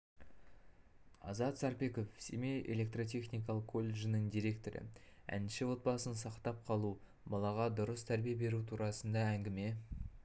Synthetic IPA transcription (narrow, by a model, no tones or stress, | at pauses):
ɑ̰zɑt̪sɑɾpe̞ko̞fsḛmejʔe̞̰lʲe̞k̚t̪ro̞t̪̬ʲʰe̞χnʲijkɑlˠəqkʰːo̞lʲːeʒɪnəŋd̪ijɾe̞k̚t̪o̞ɾə̰ | æ̰nɪʃɪwo̞t̪̚bɑsənsɑqt̪ɑp̚qʰɑlˠu | bɑlˠɑʁɑd̪ʊɾəst̪ʰæɾbijebe̞ɾut̪ʰuɾɑsənd̪ɑæŋɡʲɪme̞